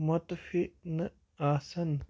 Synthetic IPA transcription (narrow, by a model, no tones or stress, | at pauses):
mɐt̪fiʔnɨ | aːsɐn